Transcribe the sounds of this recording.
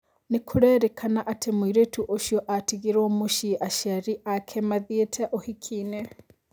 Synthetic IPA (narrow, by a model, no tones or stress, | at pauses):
nikʰuɾɛɾɛkʰanaʔatʰemwiɾetuʔoʃiɔʔatiɣiɾomuʃiʔaʃaɾiʔakʰɛmaðietʰɛʔohikʰine